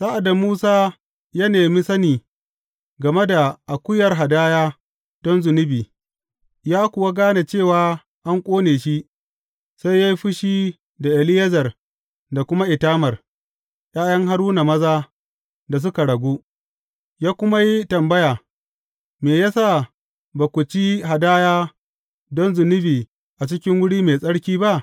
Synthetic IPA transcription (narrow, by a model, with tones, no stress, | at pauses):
saː˦ʔa˨da˨muː˦saː˦ | jɐ˦neː˨mi˦sɐ˦niː˨ | ɡɐ˨me˦da˨ʔa˨kʷʊ˦jɐ˨rɦa˨daː˦jaː˦ | d̥ɔ˦nzʊ˨nɪ˦biː˨ | jaː˦kʷʊ˨wa˦ɡaː˦na˨t͡ʃeː˦˨waː˨ | ʔa˦ŋkʷʼoː˦neː˨ʃi˦ʔ | sa˦jja˦ji˦ɸɪ˦ʃiː˦ | da˨ʔɪ˨lɪ˦jɐ˦zɐ˨r | da˨kʷʊ˦ma˦ʔɪ˨taː˦mɐ˨r | jʼaː˦jɐ˦ŋɦa˦ɽuː˦na˨mɐ˦zaː˦ | da˨s̬ʊ˦ka˨ɽɐ˨ɡʷuː˦ | jaː˦kʷʊ˦ma˦ji˦tɐ˨mbɐ˦jaː˨ | meː˨ja˦sa˦˨ | ba˨kʷʊ˨t͡ʃi˦ɦa˨daː˦jaː˦ | dɔ˦nzʊ˨nɪ˦biː˨ | ʔa˨t͡ʃɪ˦kʲɪ˦ŋwʊ˦ɽiː˦meː˨sʼɐ˦ɽkʲiː˦ba˦ʔ